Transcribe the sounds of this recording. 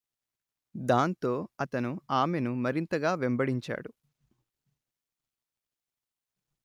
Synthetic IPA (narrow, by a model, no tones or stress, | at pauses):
d̪aːnt̪o̞ːɐt̪ɐnuaːmenumɐɾint̪ɐɡaːʋɛmbɐɽiɲt͡ʃa̰ːɽu